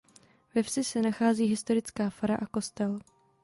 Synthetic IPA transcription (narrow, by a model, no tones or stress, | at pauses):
vɛfsɪsɛnaxaːziːɦɪst̪o̞ɾɪt͡skaːfaɾaʔako̞st̪ɛl